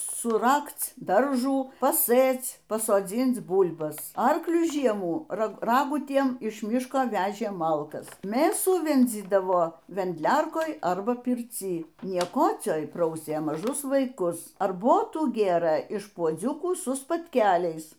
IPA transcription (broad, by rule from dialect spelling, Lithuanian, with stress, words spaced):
sʊˈrɐkt͡s ˈdɐrʒuː pɐˈsɘt͡s pɐsoːˈd͡zʲiːnt͡s ˈbuːlˠbɐs ˈɐrklʲʊ ˈʒʲiɛmuː ˈrɑːɡʊtʲiɛm ɪʃ ˈmʲɪʃkoː ˈʋʲæːʒʲeː ˈmɐlˠkɐs ˈmʲeːsuː ˈʋʲɛnʲd͡zʲiːdɐʋoː ʋʲɛnʲdʲˈlʲɛrkoːj ɐrbɐ pʲɪrʲˈt͡sʲiː nʲiɛˈkoːt͡sʲoːj ˈprɐʊsʲeː mɐˈʒʊs ʋɐɪˈkʊs ɐrˈboːtuː ˈɡʲeːrɘ ɪʃ puɔˈd͡zʲʊkuː sʊ spɐtʲˈkʲæːlʲɛɪs